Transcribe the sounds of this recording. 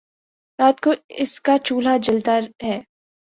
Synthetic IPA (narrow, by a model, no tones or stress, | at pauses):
ɾaːt̪̚koɪskat͡ʃuːl̤ad͡ʒɪlt̪aɾɦɛː